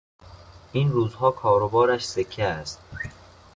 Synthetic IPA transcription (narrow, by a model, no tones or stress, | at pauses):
ʔiːnɾuːzhɒːkʰɒːɾobɒːɾæʃse̞cʰːeæst̪̚